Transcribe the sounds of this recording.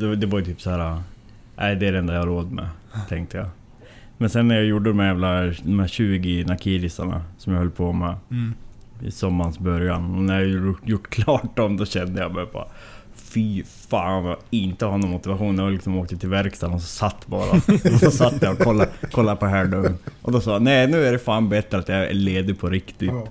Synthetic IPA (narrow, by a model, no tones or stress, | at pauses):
d̪ɛd̪ɛvaɾjɵt̪ʰyːpsɔhæːɾa | ʔæɪd̪ɛæɾɛnd̪ajahaɾoːd̪mɛ̰t̪ʰɛŋkt̪ʰəja | mɛnsɛnːæɾjajuɖːəd̪ɔmhæɾjæːvlad̪ɔmhæːɕʉ̟ːɡɪnakʰiːɾɪsaɳa̰sɔmjahœlːəpʰomɛ | ɪ̰sɔmːansbœɾjanɔnæɾjajʊʈːkʰlɑːʈ̚dɔmd̪ɔɕɛnd̪əjamɛbɑ̰ːɾa | fi | faːnvɑɪnt̪əhanɔnmʊt̪ɪvaɧuːnjaalɪksɔmoːk̚t̪ət̪ʰɪlvæɾkst̪anɔsɔsat̪ːbɑ̰ːɾa̰ɔsɔsat̪ːjɛɔkʰɔlːakʰɔlːapɔɦæːɖœmʔɔd̪ɔsɑːjanɛɪnʉ̟ːæɖɛfaːnbɛt̪ːɾəat̪jaɛ̰ɭeːd̪ɪpʰɔɾɪkt̪ɪt̪